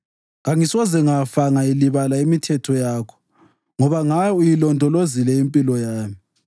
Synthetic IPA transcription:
ɣaŋisɔzɛŋafaŋailiβalaimitʰɛtʰɔjaːkʰɔ̥ | ŋɔβaŋajɔujilɔntʼɔlozilɛimpʼilɔjaːmi

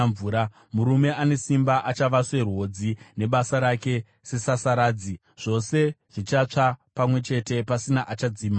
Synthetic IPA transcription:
ɱvuːɾa | muɾume̞ane̞simbaʔat͡ʃaʋaʂe̞rwo̞d͡zine̞ɓasaɾake̞ | se̞sasaɾaːd͡zi | ʐ̥o̞se̞ʐ̥it͡ʃat͡ʂapamwe̞t͡ʃe̞te̞pasinaʔat͡ʃad͡ziːma

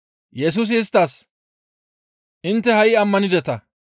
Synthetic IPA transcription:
jɛs̬uːs̬ɪɪst̪ːaːs | ʔɪnt̪ːɛhɐjɪɐmːɐnɪd̪ɛt̪ɐ

